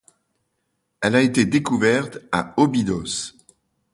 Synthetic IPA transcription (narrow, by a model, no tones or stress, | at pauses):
ɛlaet̪ed̪ekuvɛʁt̪a̰ɔbid̪ɔs